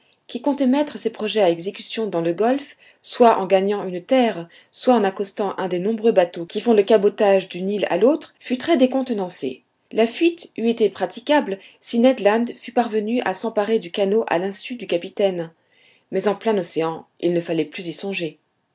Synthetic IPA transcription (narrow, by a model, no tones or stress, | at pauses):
kʲikɔ̃t̪ɛmɛt̪χəsepχɔʒɛaɛɡzekʲysjɔ̃d̪ɑ̃ləɡɔlf | swaʔɑ̰̃ɡaɲɑ̃ynt̪ɛʁ | swaɑ̃nakɔst̪ɑ̃ʔɛ̃d̪ɛnɔ̃bʁøbat̪okʲifɔ̃ləkabɔt̪aʒd̪ynila̰lot̪χfyt̪χɛd̪ekɔ̃t̪nɑ̃sḛ | lafɥit̪yet̪epχat̪ikʲablsinɛd̪lɑ̃nd̪fypaʁvənyʔasɑ̃paʁed̪ykanoʔa̰lɛ̃syd̪ykapit̪ɛn | mɛzɑ̃plɛ̃nɔseɑ̃ḭlnəfalɛplyzisɔ̃ʒe